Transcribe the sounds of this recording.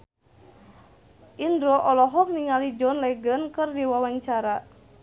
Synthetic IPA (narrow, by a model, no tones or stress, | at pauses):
ʔindɾɔʔɔlɔɦɔk̚niŋalid͡ʒɔnlɛɡənkɨrdiwawaŋt͡ʃaɾa